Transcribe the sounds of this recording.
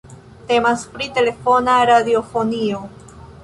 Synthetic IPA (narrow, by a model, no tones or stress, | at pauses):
te̞maspɾite̞le̞fo̞naɾadiofo̞nio̞